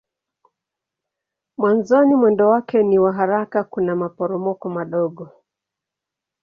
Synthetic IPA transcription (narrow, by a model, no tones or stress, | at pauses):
mwanzɔnimwɛndɔwakɛniwaɦaɾakakunamapɔɾɔmɔkɔmaɗɔɠɔ